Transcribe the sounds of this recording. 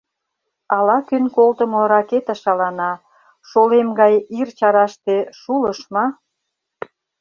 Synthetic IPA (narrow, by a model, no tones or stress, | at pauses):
ɑlɑkynkolt̪ə̆moɾɑket̪əʃɑlɑnɑ | ʃolemɡɑjirt͡ɕɑɾɑʃt̪eʃuləʃmɑ